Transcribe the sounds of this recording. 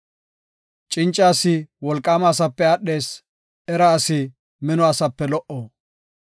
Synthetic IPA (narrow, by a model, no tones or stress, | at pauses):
t͡ʃʼɪnt͡ʃʼːaːsɪwɔlkʼːaːmaːsɐpːɛɐɗe̞ːs | ɛɾɐːsɪ | mɛnɔɐsɐpːɛlɔʔo